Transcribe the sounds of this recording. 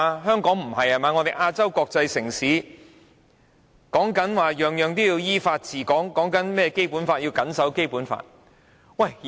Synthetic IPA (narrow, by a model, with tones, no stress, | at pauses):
ɦœː˥ŋkɔː˨˥ŋm̩˨˩hɐ˨jhɐ˨˩maː˨˧ŋɔ˨˧t̪e˨˩ʔaː˧t͡sɐ˥wkɔː˧k̚t͡sɐ˧jsɪ˨˩ŋsiː˨˥ | kɔː˨˥ŋkɐ˨˥nwaː˨˩jœː˨˩ŋjœː˨˩ŋt̪iː˥jiː˧wjiː˥faː˧t̚t͡sʰiː˨˩kɔː˨˥ŋkɔː˨˥ŋkɐ˨˥nmɛː˥ɛ˧ke˥jpuː˨˥nfaː˧t̚jiː˧wkɐ˨˥nsɐ˨˥wke˥jpuː˨˥nfa̰ː˧t̚ | wɐ˨˩j